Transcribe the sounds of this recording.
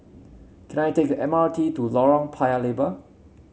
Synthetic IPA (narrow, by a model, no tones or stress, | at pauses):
kʰɛ̃najtʰek̚dəʔɛ̃matʰitulɔɹɔ̃ŋpʰaɪəlebə